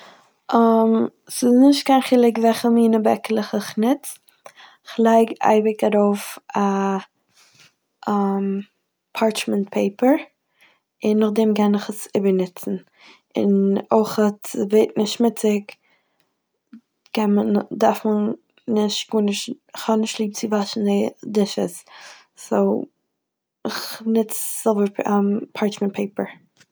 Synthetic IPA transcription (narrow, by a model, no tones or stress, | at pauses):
am | sɪsnɪʃt̚kaɪnχiːlˠɪkvɛχəmiːnəbɛ̰klˠəχɪχnɪt | ɪχlˠaɪɡa̰ɪbɪkaɾoʊfa | m | pʰaɹt͡ʃmɛnt̚pʰeɪpəɾ | ɪnːʊχdɛmkɛnɪχəsɪbəɾnɪt͡sn̩ | ɪ̰noɪχətɪveɪt̚nɪʃtmɪt͡sɪk | kʰɛnmədaɾfmən | nɪʃɡ̥uːnɪʃ | χhɔnɪʃtlˠiːb̚t͡sɪvaʃn̩dɪdɪʃə̰s | soʊ | ɪχnɪt͡sz̥ɪlˠbəɾmpʰaɹt͡ʃmɛntpʰeɪpəɹ